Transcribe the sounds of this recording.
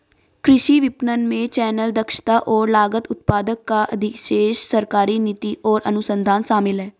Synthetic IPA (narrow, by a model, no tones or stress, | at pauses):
kɾɪʃiːʋɪpnənmẽːt͡ʃɛːnəld̪əkʃt̪aːʔɔːɾlaːɡət̪ʊt̪paːd̪əkːaʔəd̪ʱɪkʃeːʃsəɾkaːɾiːnɪt̪iːʔɔːɾʔə̰nʊsənd̪ʱaːnsaːmɪlɦɛː